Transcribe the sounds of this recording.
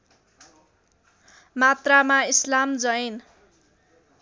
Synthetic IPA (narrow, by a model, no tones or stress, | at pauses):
mat̪ramaislamd͡zʌjn